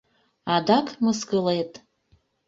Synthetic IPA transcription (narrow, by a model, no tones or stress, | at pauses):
ɑd̪ɑkməskəlet̪